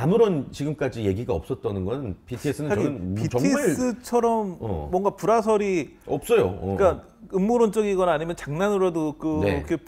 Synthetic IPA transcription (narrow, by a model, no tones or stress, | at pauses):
amɯɾʌnt͡ɕiɡɯmk͈ad͡ʑije̞ɡiɡaʌp̚s͈ʌt̚t͈ʌnɯnɡʌnɯnpʰitʰies͈ɯnɯnaipit͡ɕʌŋʰm͈ːɯt͡ɕʰʌɾʌm̰ːwʌŋɡapuɾasʰʌɾi | ʌp̚s͈ʌjo̰k͈a | ɯmːoɾont͡ɕ͈ʌɡiɡʌnaːɲimjʌnt͡ɕaŋnanɯɾadokɯnekʰe